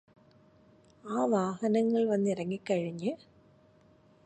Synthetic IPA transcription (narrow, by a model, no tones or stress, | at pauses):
aːʋaːɣɐnɐŋɡɐɭʋɐnd̪ɪɾɐŋɡɪkːɐɻɯɲɯ